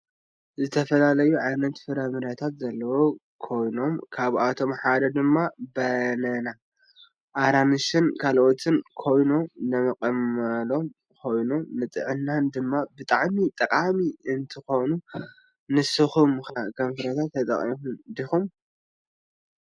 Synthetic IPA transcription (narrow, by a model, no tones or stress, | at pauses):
zɨt̪ʰɐfɐlalɐjuʕajnɐt̪fɨɾɐmɨɾat̪ʰat̪zɐlːɐwo | kʰo̞jno̞mkʰaβʔat̪ʰo̞mħad̪ɐd̪ɨmːabɐnɐna | ʔaɾanɨʃɨnkʰalʔo̞t̪ʰɨnkʰo̞jnomnɐmɐkʼɐmɐlo̞m | kʰo̞jnomnɨt̪ʼɨ̰ʕɨnːand̪ɨmːabɨt̪ʼaʕmit̪ʼɐkʼamiɨnt̪ʰɨxo̞nu | nɨsɨxumxakʰɐmfɨɾɐt̪ʰat̪ːɐt̪ʼɐ̰χʼimund̪ixum